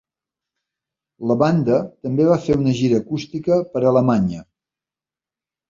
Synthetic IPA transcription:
ləβand̪ət̪əmbeβafeunəʒiɾəːkust̪ikəpəɾələmaɲə

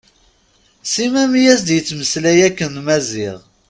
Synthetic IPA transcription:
simæmijæsd̪jət͡sːməslæjækːənmæzɪʁ

